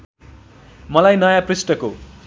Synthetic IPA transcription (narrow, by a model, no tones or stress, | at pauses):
mʌlajnʌjaprisʈʌko